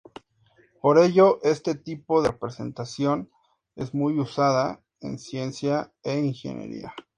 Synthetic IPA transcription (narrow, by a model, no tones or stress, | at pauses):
po̞ɾe̞ʝo̞ʔe̞st̪et̪ipo̞ðepɾese̞̰nt̪asjo̞n | e̞zmujusaða | e̞̰nsje̞nsjaeiŋxḛnḛɾḭa